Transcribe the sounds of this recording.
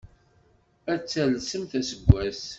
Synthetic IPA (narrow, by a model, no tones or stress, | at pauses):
æt͡sːælsəmθæsəɡʷːæs